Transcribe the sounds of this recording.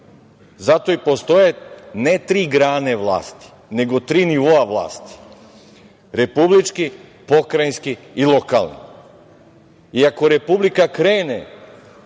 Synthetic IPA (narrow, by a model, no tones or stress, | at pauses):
zat̪oipost̪ojenet̪ɾiɡɾaːneʋlˠa̰ːst̪i̥ | neɡot̪ɾiniʋoaʋlˠa̰ːst̪i̥ | ɾepublit͡ʃkipokɾajnskiilˠoka̰lˠnḭ | iakoɾepublikakɾeːne